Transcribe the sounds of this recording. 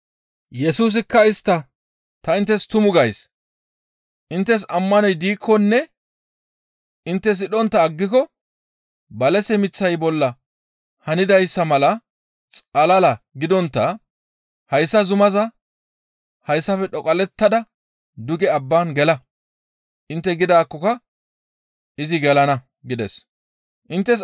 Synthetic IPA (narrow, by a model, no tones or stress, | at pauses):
jɛsuːs̬ɪkːɐɪst̪ːɐ | t̪ɐɪnt̪ːɛst̪ʊmʊɡɐjs | ʔɪnt̪ːɛs̬ɐmːɐnɔjd̪iːkʰːɔnːɛ | ʔɪnt̪ːɛs̬ɪɗɔnt̪ːɐːɡːɪkɔ | bɐlɛsɛmɪt͡sːɐjbɔlːɐ | hɐnɪd̪ɐjsːɐmɐlɐ | t͡sʼɐlɐlɐɡɪd̪ɔnt̪ːɐ | hɐjsːɐzʊmɐzɐ | hɐjsːɐfɛᶑɔkʼɐlɛt̪ːɐd̪ɐ | d̪ʊɡɛɐbːaːnɡɛlɐ | ʔɪnt̪ːɛɡɪd̪aːkːɔkɐ | ʔɪzɪɡɛlɐnɐ | ɡɪd̪ɛs | ʔɪnt̪ːɛs̬